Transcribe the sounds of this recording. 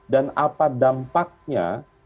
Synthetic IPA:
danapadampak̚ɲa̰

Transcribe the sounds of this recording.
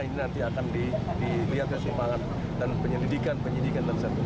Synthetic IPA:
ininant̪iakandidiliat̪̚kansəmaŋat̪̚ | danpəɲəlidikanpəɲidikandansat̪

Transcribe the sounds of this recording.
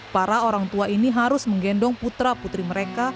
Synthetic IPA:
paɾaoɾaŋt̪uainiɦaɾʊsməŋɡɛndɔŋput̪ɾaput̪ɾiməɾeka

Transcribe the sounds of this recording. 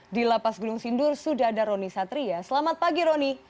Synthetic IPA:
dilapasɡuduŋsindʊrsudaɦadaɾonisat̪ɾiasəlamat̪̚paɡiɾoni

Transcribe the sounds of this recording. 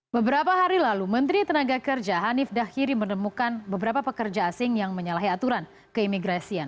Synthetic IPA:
bəbəɾapaɦaɾilalumənt̪ɾit̪ənaɡakərd͡ʒaɦanɪfdahiɾimənəmukanbəbəɾapapəkərd͡ʒaːsɪŋjaŋməɲalaɦiat̪uɾan | kəimiɡɾasian

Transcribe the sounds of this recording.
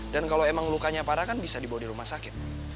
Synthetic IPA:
dankalowemaŋlukaɲapaɾakanbisadibawadiɾumahsakɪt̪̚

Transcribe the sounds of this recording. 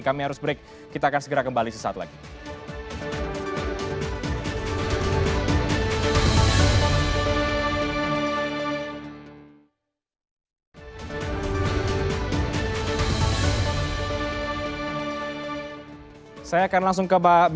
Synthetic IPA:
kamiɦaɾʊsbɾek̚ː | it̪aːkansəɡəɾakəmbalisəsaa̰t̪la̰ɡi | sajaːkanlaŋs̬ʊŋkəbab

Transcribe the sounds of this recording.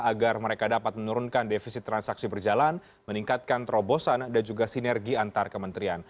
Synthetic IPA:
aɡarməɾekadapat̪̚mənuɾunkandefisit̪ːɾansaksibərd͡ʒalan | məniŋkat̪̚kant̪ɾobosandand͡ʒuɡasinɛrɡiant̪arkəmənt̪ɾian

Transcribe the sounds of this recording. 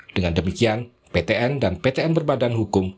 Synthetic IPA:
d̥əŋandəmikian | pet̪eʔɛndanpet̪eɛnbərbadanɦukʊm

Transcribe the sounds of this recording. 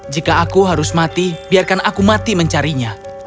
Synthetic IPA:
d͡ʒikaːkuɦaɾʊsmat̪ibiarkanakumat̪iməɲt͡ʃaɾiɲa

